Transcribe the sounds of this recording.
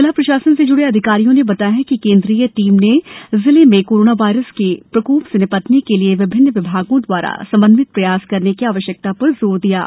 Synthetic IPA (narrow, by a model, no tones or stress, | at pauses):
ɪlapɾɐʃaːsənsed͡ʒʊɽeɐd̪ʱɪkaːɾijõnebɐt̪aːjɦɛ̃kikẽːnd̪ɾiːjəʈiːmnezɪlemẽkoːɾoːnaʋaːɪɾəskepɾɐkuːpsɪnɪpət̪nikelieʋɪbʱɪnːʋɪbʱaːɡõd̪waːɾa̰sɐ̃mbə̃nd̪ʋɪt̪̚pɾɐjaːskɐɾnekiaːʋəʃjək̚t̪apɐɾzoːɾd̪ija̰ː